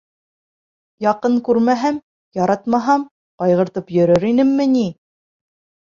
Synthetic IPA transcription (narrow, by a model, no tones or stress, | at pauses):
jɑqɤŋkʉɾmæɦæm | jɑɾɑt̪mɑɦɑm | qɑjʁɤ̆ɾt̪ɤpjɵ̆ɾɵɾinɘmːɘ̆ni